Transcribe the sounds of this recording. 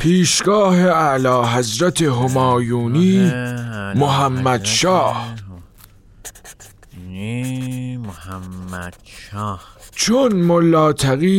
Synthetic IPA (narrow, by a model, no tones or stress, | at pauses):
pʰiːʃɡɒːheælɒːɦæzɾæt̪ʰeɦomɒːjuːniː | moɦæmːæd̪̥ʃɒːh | t͡ʃʰonmolːɒːt̪ʰæɣiː